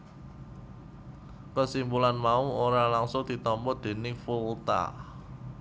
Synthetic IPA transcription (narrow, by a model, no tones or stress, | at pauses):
kəsimbulanmauoɾalaŋsod̪̥i̤t̪ɔmpɔd̪̥e̤nɪfult̪a̰